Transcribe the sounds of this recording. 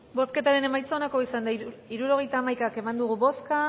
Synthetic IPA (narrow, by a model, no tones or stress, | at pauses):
bo̞ske̞t̪aɾe̞ne̞majt͡sanako̞isand̪aiɾuɾo̞ɣ̞e̞jt̪aːmajkake̞mand̪uɣuβo̞ska